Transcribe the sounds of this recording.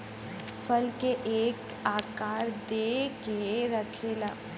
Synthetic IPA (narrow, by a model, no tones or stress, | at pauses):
fɐlkeʔeːk | aːkaːɾd̪eːkeɾəkʰelaː